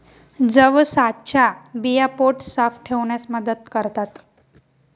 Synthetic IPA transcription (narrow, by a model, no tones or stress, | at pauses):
d͡zəʋsat̪t͡ɕʰabijapoʈsafʈʰeʋɳjasməd̪əd̪kəɾt̪at̪